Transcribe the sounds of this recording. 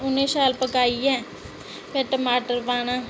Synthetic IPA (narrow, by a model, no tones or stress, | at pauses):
ʊnːẽːsaːlpəkaːiɛː | pɛːʈəmaːʈəɾʋaːnãː